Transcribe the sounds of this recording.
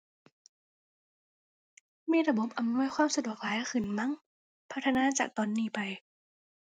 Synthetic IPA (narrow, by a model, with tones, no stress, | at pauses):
miː˥˩˨ɾa˧bo˨˩˦p̚ʔa˨˧˨mnu˥˩əjxʰwaː˧˥˩msa˧du˨˩ək̚laː˨˦ja˧˩xʰɯ˨˩nma˧˥˨ŋ | pʰa˦˥t̪ʰːa˧naː˧˥˨t͡ɕaː˨˩k̚t̪ɔː˧˨nːiː˧˩pa˧j